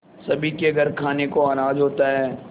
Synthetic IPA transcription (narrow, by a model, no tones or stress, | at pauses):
sɐbʱikeɡʱɐɾkʰaːnekoaːɾaːd͡ʒɦoːt̪aɦɛː